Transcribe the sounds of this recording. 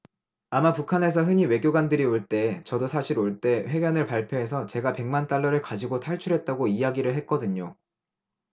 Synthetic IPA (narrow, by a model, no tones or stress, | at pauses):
amapukʰane̞s̬ʰʌɦɯɲiwe̞ɡjoɡandɯɾioɭt͈e̞ːt͡ɕʌdosʰaɕʰiɾoɭt͈e̞ɸwe̞ɡjʌnɯɭpaɭpʰjoɦe̞sʰʌt͡ɕe̞ɡape̞ŋmant͈aɭːʌɾɯɭkad͡ʑiɡotʰaɭt͡ɕʰuɾɦe̞t̚t͈aɡoijaɡiɾɯɭɦe̞t̚k͈ʌdɯɲo